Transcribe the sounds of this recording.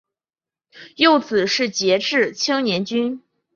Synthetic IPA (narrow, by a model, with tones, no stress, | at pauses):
jo˥˩ʊt͡sɹ̩˨˩ʂɻ̩˥˩t͡ɕjɛ˧˥ʈ͡ʂɻ̩˥˩t͡ɕʰi˥ŋnjɛ˧˥nt͡ɕy˥n